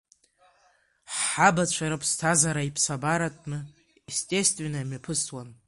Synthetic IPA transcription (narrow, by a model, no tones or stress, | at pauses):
ħħabat͡ɕʷʰaɾɨpʰstʰazaɾaipʰsabaɾatʼnɨ | istʼe̞stʼvʲe̞nɨmapʰɨswan